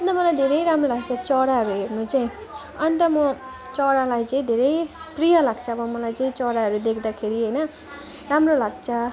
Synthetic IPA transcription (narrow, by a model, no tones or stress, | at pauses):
ʌʌnt̪ʌmʌlajd̪ʱeɾʌjɾamrolaɡ̚t͡sʰʌt͡sʌɽaɦʌɾuɦernut͡saĩ | ʌnt̪ʌmʌ | t͡sʌɽalajt͡sʌĩd̪ʱeɾʌjprijalaɡt͡sʰʌːbʌmʌlajt͡saĩt͡sʌɽaɦʌɾud̪ekʰd̪akʰeɾiɦʌjnʌ | ramrolaɡt͡sʰʌ